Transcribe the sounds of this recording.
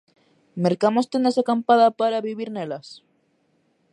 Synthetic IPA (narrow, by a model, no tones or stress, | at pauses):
meɾkamost̪end̪esakampaðapaɾaβiβiɾnelas